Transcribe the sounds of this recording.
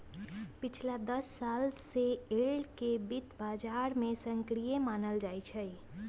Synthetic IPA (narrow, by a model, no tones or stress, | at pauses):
pɪt͡ʃʰlad̪əsːaːlseeɭkebɪt̪baːd͡ʒaːɾmẽsə̃ŋkɾijemaːnəld͡ʒaːit͡ʃʰɛ